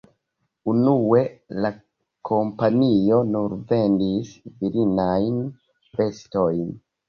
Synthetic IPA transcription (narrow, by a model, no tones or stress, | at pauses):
unue̞la | kʰo̞mpanio̞nuɾve̞ndisviɾinajn | ve̞sto̞jn